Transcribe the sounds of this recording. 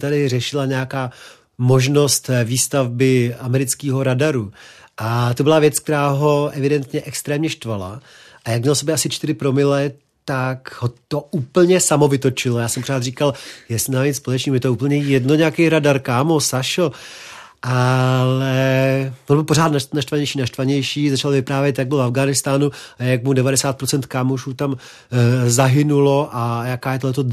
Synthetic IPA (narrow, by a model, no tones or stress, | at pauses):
t̪adɪrɛʃɪlaɲɛjakaː | mo̞ʒno̞st̪viːst̪avbɪamɛɾɪt͡skiːɦo̞ɾadaɾuʔat̪obɪlavjɛt͡sk̚t̪ɛɾaːɦo̞ʔɛvɪdɛnt̪ɲɛʔɛkst̪ɾɛːmɲɛʃt̪vala̰ | ʔajak̚mɲɛlsobjɛʔasɪt͡ʃt̪ɪɾɪpɾo̞mɪlɛ | t̪akɦot̪o̞ʔuːpl̩ɲɛsamo̞vɪt̪o̞t͡ʃɪlojaːsɛmpoɾ̝aːt̪riːkaljɛstnaːispo̞lɛt͡ʃniːmujɛt̪ouːpl̩ɲɛjɛdno̞ɲɛakɛjɾadaɾkaːmosaʃo | ʔalɛʔnbɪlpoɾaːt̪nanaʃt̪vaɲɛjʃiːnaʃt̪vaɲɛjʃiːzat͡ʃalvɪpɾaːvjɛt̪jaɡ̚bɪlvafɡaːnɪst̪aːnuajakmudɛvadɛsaːt̪̚pɾot͡sɛnt̪kaːmoʃuːt̪am | zaɦɪnulo̞ʔajakaːjɛt̪oɦlɛt̪o